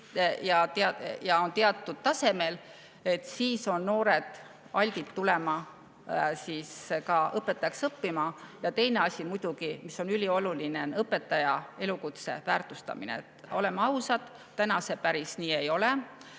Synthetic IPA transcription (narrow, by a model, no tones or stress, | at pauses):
jɑt̪eɑjɑo̞nt̪e̞ɑt̪ːˑud̪̥t̪ɑse̞me̞l | e̞t̪ːsiːso̞nːo̞ːɾe̞d̪̥ | ɑlʲɡ̥̪it̪t̪ule̞mɑ | siːskɑɤpːˑe̞t̪ːˑɑjɑksɤpːimɑjɑt̪e̞jne̞ɑsʲimujd̪̥uɡimiso̞nylʲio̞luline̞nɤpːe̞t̪ːˑɑjɑe̞lukut̪se̞̰væːrt̪ˑust̪ɑ̰mḭnḛet̪o̞le̞mɑɑwsɑd̪̥ | t̪ːænɑse̞pæɾisniːe̞jo̞le